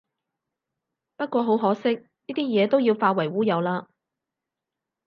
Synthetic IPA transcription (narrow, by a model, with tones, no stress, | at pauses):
pɐ˥t̚kʷɔː˧ɦo˨˥wɦɔː˨˥sɪ˥k̚ | niː˥t̪iː˥jɛː˨˧t̪o˥wjiː˧wfaː˧wɐ˨˩jwuː˥jɐ˨˧wlaː˧